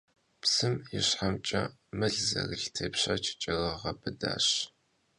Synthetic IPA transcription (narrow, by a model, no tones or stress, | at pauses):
psɨmjɪ̰ɕħamt͡ʃʼɐmɨɮzɐ̰rɨɬtʰeːpɕɐt͡ʃʰɪ̥t͡ʃʼɐrɐʁɐbɨda̰ːɕ